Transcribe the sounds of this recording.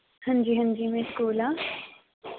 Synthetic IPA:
hɐ̃nd͡ʒiːɦɐ̃nd͡ʒiːmẽskoːla

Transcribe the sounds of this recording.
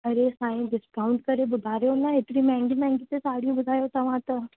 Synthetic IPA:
ɐɾesãːĩɖɪskaːʊ̃ɳɖkɐɾebʊd̪ʱaːɾjonãeʈɽimɛ̃ːŋɡimɛ̃ːŋɡit̪esaːɽ̤ijũbʊd̪ʱaːjot̪ɐʋ̤ãt̪ɐ

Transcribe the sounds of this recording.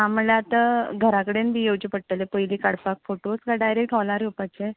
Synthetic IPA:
am̤əlaat̪aɡʱəɾakəɽenbijowd͡ʑipəɽt̪əlepəjliːkaɽpakfoʈoskaɖajɾek̚ʈɦɔlaɾopat͡ɕe

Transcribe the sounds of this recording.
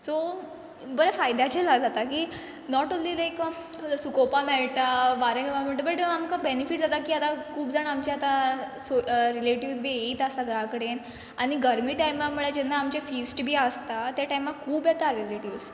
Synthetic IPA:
so | bəɾefajd̪at͡ɕɛlad͡zat̪akiː | nɔʈonliːlajk | kəlsukopamɛɭt̪abaɾə̃ɡmameɭt̪abəʈamkabenifiʈ̚d͡zat̪akiːat̪akuːbd͡zaɳamt͡ɕaat̪asoɾileʈiʋs̬bʱiːeit̪əsaɡʱəɾãkəɽen | aɽ̃iɡəɾmiːʈajmamuɭed͡ʑɛnːaːmt͡ɕefiːsʈbʱiːəst̪at̪jaʈajmakʰuːbjet̪aɾileʈiʋs

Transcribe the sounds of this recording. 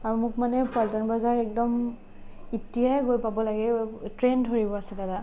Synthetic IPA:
aɹumʊk̚manɛpaltanbazaɹɛk̚dɔm | itːiaɡojpabɔlaɡɛtɹɛndʱoɹibɔasɛtada

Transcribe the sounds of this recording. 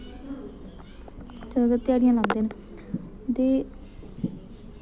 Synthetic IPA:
t͡ʃəɡət̪ɪjaːɽɪjãːlãːnd̪eːn | d̪eː

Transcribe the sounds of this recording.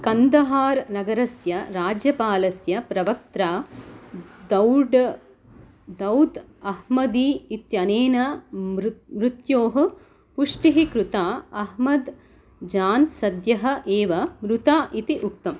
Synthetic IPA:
kɐnd̪ɐɦaːɾnɐɡɐɾɐsjɐɾaːd͡ʒjɐpaːlɐsjɐpɾɐʋɐk̚t̪ɾaː | d̪ɐwɖ | d̪ɐwd̪ | ɐhmɐd̪iːt̪jɐneːnɐɾmɾut̪joːɦɐ̆ | puʂʈiɦikɾut̪aːɐɦmɐd̪ | d͡ʒaːnsɐd̪jɐɦɐ̆ʔeːʋɐmɾut̪aːʔit̪iʔuk̚t̪ɐm

